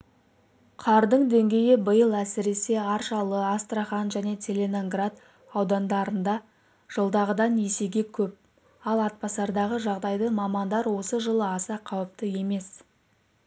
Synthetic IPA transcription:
qʰɑɾd̪əɴd̪e̞ŋɡʲe̞jɪbəjəlˠæsɪɾe̞se̞ɑɾʃɑlˠəast̪raχɑnʒæne̞t̪ʲʰe̞lʲe̞no̞ŋɡrat̪ | ɑwd̪ɑnd̪ɑɾənd̪ɑ | ʒ̥əlˠd̪ɑʁəd̪ɑne̞se̞ɡʲe̞kʲʰɵp̚ | ɑlˠɑt̪̚pɑsɑɾd̪ɑʁəʒɑʁd̪ɑjd̪əmɑmɑnd̪ɑɾwo̞səʒəlˠəɑsɑqʰɑwəp̚t̪əje̞me̞s

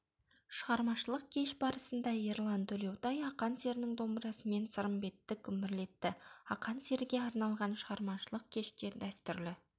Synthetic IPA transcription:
ʃəʁɑɾmɑʃəlˠəq̚kʲʰe̞ʃbɑɾəsənd̪ɑeɾlˠɑnt̪ʰɵle̞wt̪ɑjɑqɑnse̞ɾɪnɪŋd̪ombəɾɑsəme̞nsəɾəmbe̞t̪ːɪkʲʰʏmɪɾle̞t̪ːɪɑqɑnse̞ɾɪɡʲe̞ɑɾnɑlˠʁɑnʃəʁɑɾmɑʃəlˠəq̚kʲʰe̞ʃt̪e̞d̪æst̪ʏɾlɪ

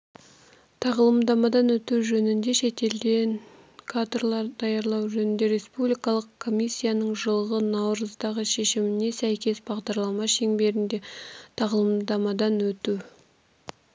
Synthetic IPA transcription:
t̪ʰɑʁlˠəmd̪ɑmɑd̪ɑnwɵt̪uʒɵnɪnd̪e̞ʃe̞t̪e̞ld̪e̞n | kʰad̪rlˠɑɾd̪ɑjɑɾlˠɑwʒɵnɪnd̪e̞ɾe̞spublijkɑlˠəqkʰːo̞mʲijsʲːijanəɴʒəlˠəʁənɑwɾəzd̪ɑʁəʃe̞ʃɪmɪne̞sæjkʲe̞sbɑʁd̪ɑɾlˠɑmɑʃe̞ŋbe̞ɾɪnd̪e̞t̪ʰɑʁlˠəmd̪ɑmɑd̪ɑnwɵt̪u

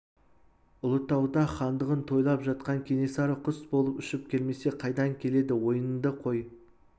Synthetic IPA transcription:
ʊlˠət̪ːɑwd̪ɑχɑnd̪əʁənt̪ʰo̞jlˠɑpʒɑt̪̚qɑŋkʲʰe̞ne̞sɑɾəqʰʊsbo̞lˠəpʏʃɪp̚kʲe̞lme̞se̞qʰɑjd̪ɑŋkʲʰe̞le̞d̪ɪwo̞jənənd̪əqʰo̞j

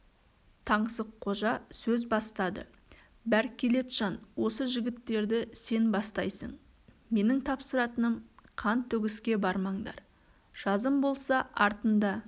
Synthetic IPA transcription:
t̪ʰɑɴsəqqʰːo̞ʒɑsɵzbɑst̪ɑd̪ə̰ | bæɾkʲʰe̞le̞t̪ʒ̥ɑnwo̞səʒɪɡʲɪt̪ːe̞ɾd̪ɪse̞nbɑst̪ɑjsə̰ɴ | me̞nɪŋt̪ʰɑpsəɾɑt̪ənəmqʰɑnt̪ʰːɵɡʲɪskʲe̞bɑɾmɑɴd̪ɑ̰ɾ | ʒ̥ɑzəmbo̞lˠsɑʔɑɾt̪ənd̪ɑ

